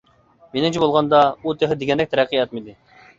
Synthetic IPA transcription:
menɪmt͡ʃʰɛbolˠʁɑnd̪ɑut̪ʰeχɪd̪eɡʲɛnd̪ɛk̚ʲt̪ʰɛɾæqʰːijɛt̪̚mɪd̪ɪ

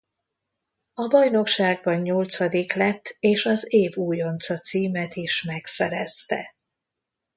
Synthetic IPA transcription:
ɒbɒjno̞kʃaːɡ̚bɒɲːo̞lt̪sɒd̪iklɛt̪ʰːeːʃɒzeːvuːjo̞nt̪sɒt̪siːmɛt̪iʃmɛksɛɾɛst̪ɛ̰

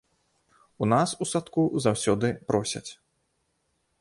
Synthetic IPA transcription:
unasusat̪kuzawsʲɔd̪ɨpɾɔsʲɐ̰t͡sʲ

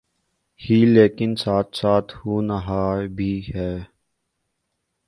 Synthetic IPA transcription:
hiːleːkɪnsaːt̪saːt̪ʰhuːnaɦaːbʱiːɦɛː

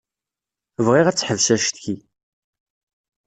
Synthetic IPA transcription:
vʁiʁæt͡sːħəvʃæʃt̪çi

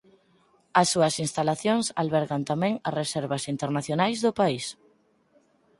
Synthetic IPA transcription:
ɐsːuɐsinst̪alaθjoŋsa̰lβɛɾɣant̪amɛ̃ŋɐresɛɾβɐsint̪eɾnaθjonajzðʊpais

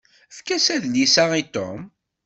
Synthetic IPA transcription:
əfkæsæðljisæit̪o̰m

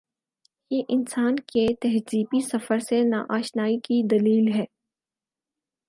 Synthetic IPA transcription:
jeʔɪnsaːnket̪ɛɦziːbisɐfəɾsena̰ʔaːʃnaːikid̪ɐliːlɦɛː

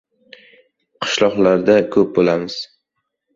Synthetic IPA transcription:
qʰɨ̥ʃlˠɒqlaɾd̪akʰɵp̚bolamɪz̥

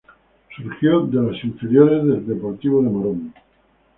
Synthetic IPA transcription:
suɾxjod̪elasiɱfeɾjoɾezðeld̪epoɾt̪iβoðemaɾon

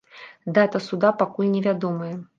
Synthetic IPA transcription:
d̪at̪ɐsud̪apakulʲnʲɛvʲad̪ɔmɨjɛ

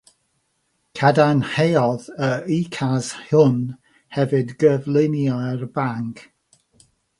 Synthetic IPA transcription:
kʰadanhejɔðəikʰazhʊn | hɛvɨdɡəvlˠɪnjɔrbaŋkʰ

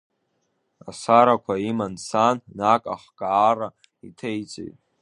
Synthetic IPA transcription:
a̰saɾakʷʰaimansanːakʼa̰χɡʼaːra | itʰejt͡sʼḛjtʼ

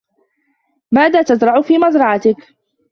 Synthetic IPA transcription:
maːðaːt̪azɾˤɑʕʊfiːmɑzɾˤɑʕat̪ɪk

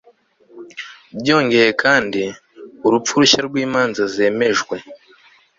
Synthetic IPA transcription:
bjo̞ːŋɡe̞jekʰaːndi | uɾup͡fuɾuɕaɾɡwiːmaːnzaze̞ːme̞ʒɡwe̞

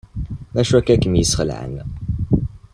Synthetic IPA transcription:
mæʃwækːækəmjəsχəlʕə̰nːæ

